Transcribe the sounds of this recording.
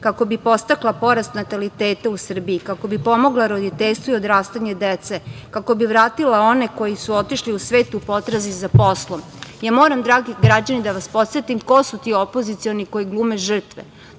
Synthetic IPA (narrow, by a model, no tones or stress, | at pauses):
kako̞bipo̞st̪aklapo̞ɾast̪nat̪alit̪eːt̪ausr̩biikako̞bipo̞mo̞ɡlaɾo̞d̪it̪eʎst̪ʋoio̞d̪ɾaːst̪aɲed̪et̪se̞kako̞biʋɾaːt̪ilao̞ne̞ko̞jisuo̞t̪iʃliusʋe̞ːt̪upo̞t̪ɾazizapo̞slˠom | jaːmo̞ːɾamd̪ɾaːɡiɡɾad͡ʑanid̪aʋaspo̞t̪sʋet̪imko̞sut̪io̞po̞zit̪sio̞nikojiɡlˠuːme̞ʒr̩t̪ʋḛ